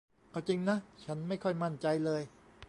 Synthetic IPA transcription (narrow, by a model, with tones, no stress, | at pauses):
ʔa˧˩wt͡ɕi˧ŋna˦˥t͡ɕʰa˦˥nma˥˩jkʰɔ˥˩jma˥˩nt͡ɕa˧jlɤː˧j